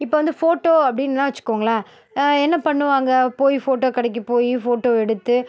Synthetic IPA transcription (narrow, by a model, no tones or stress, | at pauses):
ɪpːoːʋɐnd̪ɯfoːʈːoːɐpːɐɽɪnːãːʋɐt͡ʃːɯ̥kːoʋːŋɡɐɭaː | ɛnːɐpɐɳːɯʋaːŋɡɐpoːjifoːʈoːkɐɽɛk̬ːɯpoːjifoːʈːoːɛɽɯt̪ːɯ